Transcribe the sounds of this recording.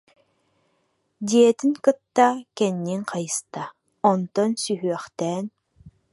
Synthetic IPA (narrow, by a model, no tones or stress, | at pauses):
d̪iɛt̪iŋkɯt̪ːakɛnːiŋqajɯst̪a | ɔnt̪ɔnsyɦyœχt̪ɛːn